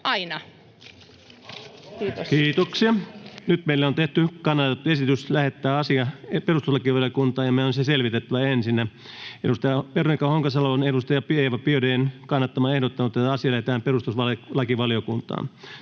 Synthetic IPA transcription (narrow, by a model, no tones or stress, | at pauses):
ʔɑinɑ | kiːt̪oksiɑnyt̪meilːæont̪eht̪ykɑnːɑt̪et̪ːuesit̪yslæhet̪ːæːɑsiɑeperust̪uslɑkiʋɑljokunt̪ɑːjɑmæonseselʋit̪et̪ːæʋæensinːæ | edust̪ɑjɑperoikɑhoŋkɑsɑlonedust̪ɑjɑpieʋɑpiødeːnkɑnːɑt̪ːɑmɑehdot̪ːɑnut̪ːˑet̪ːæɑsiɑlæhet̪æːmperust̪usʋɑllɑkiʋɑljokunt̪ɑ̰ːn